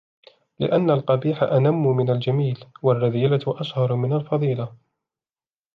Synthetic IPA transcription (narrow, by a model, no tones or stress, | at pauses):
lɪ̰ʔanːalqɑbiːħa̰ʔanamːʊmɪnald͡ʒamiːlwarːɑðiːlaʔaʃhɑɾˤmɪnalfɑðˤiːla